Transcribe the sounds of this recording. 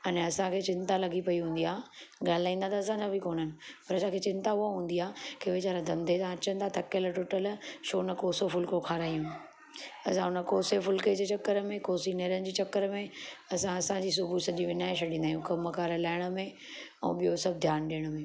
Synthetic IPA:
ɐnɛɐsãkʰeːt͡ɕɪ̃nt̪alɐɡʱipɐiɦũːnd̪iaːɠaːlɪlaːĩːnd̪at̪aɐsãd͡ʑabɪkoːn̤ənɪ̆pɐɾɐsãkʰet͡ɕɪ̃nt̪aʊaɦũːnd̪iaːkeʋet͡ɕaːɾãd̪ʱɐ̃nd̪ʱet̪ãɐt͡ɕə̃nt̪ʰat̪ʰɐkəlʈoːʈəlʃʰoːnəkoːsofʊlkokʰaːɾaːijũ | ɐsãɦʊnəkoːsefʊlked͡ʑet͡ɕɐkːəɾəmẽkoːsineːɾənɪ̆d͡ʑiːt͡ɕɐkːəɾmẽɐsãɐsãd͡ʑiːs̬ʊbʱusɐʄiʋɪnaːɪʃɐɗĩːnd̪aːjũkɐmːɐkaːɾəlaːɪɽ̃ə̆mẽ | ɛ̰̃ːɓijosɐb̚ʱd̪ʱjaːnɗiəɽ̃ʊmẽː

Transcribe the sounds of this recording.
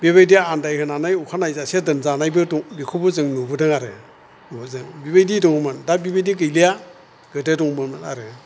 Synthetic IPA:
biβajdiandajhɯnanajukʰanajzasadɯnzanajbɯdɔlikʰubɯzɯŋnubɯdɯŋaɾɯ | nubɯzɯŋbiβajdidɔŋmɯndabibajdiɡɯjlija | ɡ̥ɯdedɔŋmɯmɯna̰ɾɯ

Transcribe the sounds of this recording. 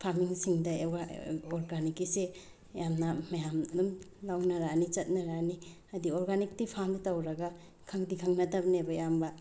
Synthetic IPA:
pʰaɾmiŋsiŋdɐaɔɾɡanikise | jamnɐmɐjamdumlawnɐɾanit͡ʃɐt̚nɐɾani | ɐdioɾɡanik̚tipʰamditawɾɐɡɐ | kʰɐŋdikʰɐŋnɐtɐbnebɐjambɐ

